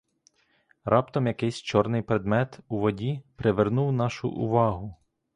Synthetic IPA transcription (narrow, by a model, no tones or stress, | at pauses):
ɾʔɑpt̪ɔmjɐkɪjsʲt͡ʃɔrnɪjpɾed̪mɛt̪uʋɔdʲipɾeʋernuwnɑʃʊ̰ʔʊ̰ʋɑɦʊ